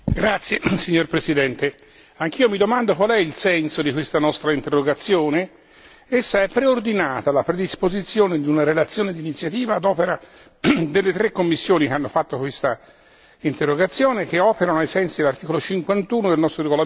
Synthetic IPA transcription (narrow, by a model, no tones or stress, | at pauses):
ɡɾat̪sːjesiɲːorpɾesid̪ɛnt̪e | aŋk̟iːomid̪omand̪okwalɛilsɛnsod̪ikwest̪anɔst̪ɾaint̪erːoɡat̪sːjoːne | esːaɛpːɾeord̪inaːt̪alapɾed̪ispozit̪sːjoːned̪iunaɾelat̪sːjoːned̪iːnit̪sːjat̪iːvaːd̪ɔːpeɾa | d̪elːet̪ɾekːomːisːjoːnikeanːofat̪ːokwest̪a | int̪erːoɡat̪sːjoːnek̟eɔːpeɾanoajsɛnsid̪elart̪iːkolot͡ʃiŋkwant̪uːnod̪elnɔst̪ɾoɾeɡola